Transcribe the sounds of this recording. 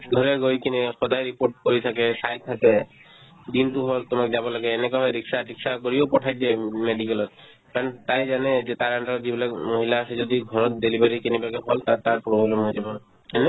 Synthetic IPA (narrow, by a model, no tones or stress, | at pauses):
ɡʱɔɾeɡojkinexɔd̪ajɾipoɾʈ̚kɔɾit̪ʰakesajt̪ʰːake | d̪int̪uɦɔlt̪omak̚d͡ʒabɔlaɡeːnekaɦɔɾiksaɾiksakɔɾiopɔʈʰajd̪ɛmeɖikɛlɔt̪̚ | kant̪ajd͡ʒaned͡ʒet̪aɾaɳʈad͡ʒibilamoɦilaːsed͡ʒɔd̪iɡʱɔɾɔt̪̚delibaɾikinibaɡɛɦɔlt̪at̪aɾpɾobʱblemɦojd͡ʒabɔ | ɛnɛ